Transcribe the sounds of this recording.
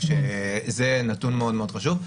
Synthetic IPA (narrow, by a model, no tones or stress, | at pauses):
ʃezenat̪unmeo̞d̪meo̞d̪χaʃuv